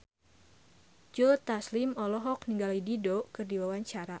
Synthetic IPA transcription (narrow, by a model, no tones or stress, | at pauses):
d͡ʒolt̪aslimɔlɔɦɔkniŋɡalididokɨrdiwawaɲt͡ʃaɾa